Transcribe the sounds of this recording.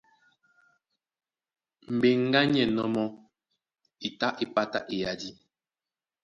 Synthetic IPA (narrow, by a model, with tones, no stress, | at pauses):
m̩˨be˨ŋ˦ɡa˦ɲɛ˨nɔ˦mɔ˦ | i˨ta˦ʔi˨pa˦ta̰˦ʔe˨ja˨di˦